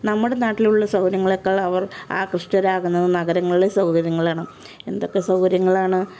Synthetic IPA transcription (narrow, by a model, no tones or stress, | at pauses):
nɐmːuɽe̞naːʈːiluɭːɐsɐwɾjɐŋːɐɭokːɐɭɐʋɐra̰ːkrɨʂʈɐɾaːɣunːɐðɨnɐɣɐɾɐŋːɐɭiɽesɐwkɐɾjɐŋːɐɭaːɳɨ | e̞̰nd̪o̞kːe̞sɐwkɐɾjɐŋːɐɭaːɳɨ